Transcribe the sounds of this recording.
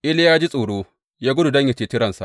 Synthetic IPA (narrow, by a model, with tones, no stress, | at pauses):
ʔɪ˦ljaː˦d͡ʒi˦sʼuː˨ɽoː˦ | jaː˦ɡʷʊ˦du˨dɐ˦ɲja˨t͡ʃeː˨tɪ˦ɾɐ˨nsa̰˨ʔ